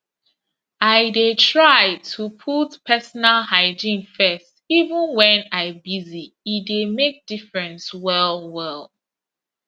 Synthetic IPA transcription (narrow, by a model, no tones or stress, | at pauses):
aɪdetʰɹajtʰupʰutpʰɛsɔnalhaɪd͡ʒĩmfɛstivə̃nwɛ̃naɪbiziː | demek̚d̥ifɹɛ̃nswɛlwɛlˠ